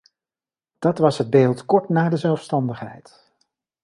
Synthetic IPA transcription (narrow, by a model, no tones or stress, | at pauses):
d̥ɑtʋɑsɦəd̚beːlˠtkɔɹtnaːɹdəzɛlˠfstɑndəχɦɛ̰jt